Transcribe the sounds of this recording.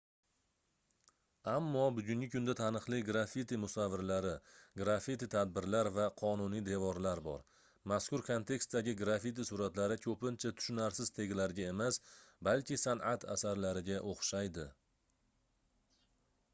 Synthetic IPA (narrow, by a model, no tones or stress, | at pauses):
amːɒbʊɡʲʊŋʲɪkʰʲʊnd̪at̪ʰanɨχlˠɪɡɾafit̪imʊsavːɪɾlaɾɪɡɾafit̪it̪ʰad̪̚bɪɾlaɾvaqʰɒnʊnijd̪evɒɾlaɾbɒ̰ɾ | maskʊɾkʰont̪ʰe̞kst̪d̪aɡʲɪɡɾafit̪̬isʊɾat̪laɾɪkʲʰɵpɪnt͡ʃʰat̪ʰʊ̥ʃʊnaɾsɪzt̪ʰe̞ɡʲɪlaɾɡʲae̞masbalkʲɪsanʔat̪ʰa̰saɾlaɾɪɡʲaʔoχʃajd̪ɪ